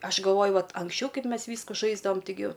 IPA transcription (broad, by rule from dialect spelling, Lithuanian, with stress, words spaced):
ˈɐʃ ɡɐlˠˈʋoːjʊ ˈʋɐt ɐŋksʲˈt͡ʃʲɛʊ ˈkɐɪp ˈmʲɛs ˈʋʲiːskʊ ˈʒɐɪzdɐʋɐm ˈtʲɪɡʲɪ